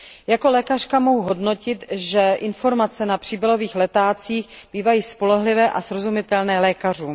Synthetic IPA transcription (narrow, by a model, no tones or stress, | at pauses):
jako̞lɛːkar̥kamo̞ɦuɦo̞dno̞cɪt̪ʒɛʔɪnfo̞ɾmat͡sɛnapr̥iːbɪlo̞viːxlɛt̪aːt͡siːxb̥iːvajiːspo̞lɛɦlɪvɛːʔasɾo̞zumɪt̪ɛlnɛːlɛːkar̝uː